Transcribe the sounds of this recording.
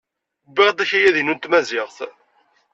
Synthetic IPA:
biʁd̪æçæjæðinunt̪mæzɪʁθ

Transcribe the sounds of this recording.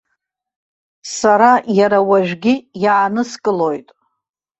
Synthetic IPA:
saɾajaɾawaʒᶣɡʲɪjaːnɨskʼɨlo̞jtʼ

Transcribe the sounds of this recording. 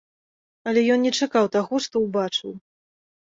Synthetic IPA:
ɐlʲɛjɔnnʲɛt͡ʂakawt̪aɣɔʂt̪ɔwbat͡ʂɨw

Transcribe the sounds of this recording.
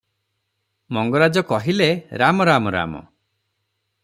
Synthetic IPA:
mɔŋɡɔɾad͡ʒɔkɔɦileɾamɔɾamɔɾa̰mɔ̰

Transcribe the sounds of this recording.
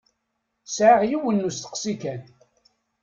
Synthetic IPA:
sʕaʁjiwənːust̪ə̥qsikæn

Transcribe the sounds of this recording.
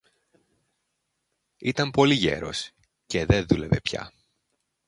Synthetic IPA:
it̪ɐmpo̞liʝe̞̰ɾo̞̰s | ce̞ðe̞nðule̞ve̞pçɐ̰

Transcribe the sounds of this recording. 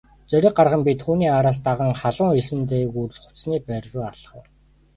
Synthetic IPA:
t͡sœɾʲɪ̆q̚ɢarʁə̆mpit̪xuːniːaɾaːs̬t̪aʁə̆ŋχaɮʊːŋisɘ̆nt̪eːɣur̆ɮχʊ̥t͡sniːpæɾʲrʊːaɮə̥̆χ̆

